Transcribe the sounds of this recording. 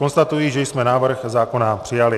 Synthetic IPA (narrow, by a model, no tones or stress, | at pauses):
onst̪at̪ujiːʒɛjsmɛnaːvr̩xzaːko̞napr̝̥ɪjalɪ